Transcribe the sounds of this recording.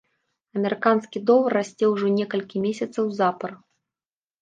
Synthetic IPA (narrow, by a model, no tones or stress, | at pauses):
ɐmʲɛɾɨkanskʲid̪ɔvˠɐrːasʲt͡sʲɛwʐɔnʲɛkɐlʲkʲimʲesʲɐt̪sɐwzapɐr